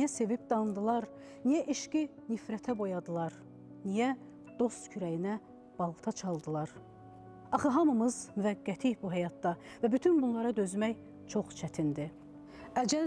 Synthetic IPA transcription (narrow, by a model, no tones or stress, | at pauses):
jæse̞vip̚d̪ɑnd̪ɯlˠɑɾ | nijæʔiʃcinifɾæt̪ʰæbo̞jɑd̪ɯlˠɑɾ | nijæ | d̪̥o̞st̪cʰyɾæjinæ | b̥ɑlˠt̪ʰɑt͡ʃʰɑlˠd̪ɯlˠɑɾ | ɑχɯɦɑmɯmɯzmyvæɡːæt̪ʰijbuɦæjɑt̪̚d̪ɑ | væbyt̪ʰynbunlˠɑɾɑd̪ø̞zmæj | t͡ʃʰo̞χt͡ʃʰæt̪ʰind̪i | æd͡ʒæ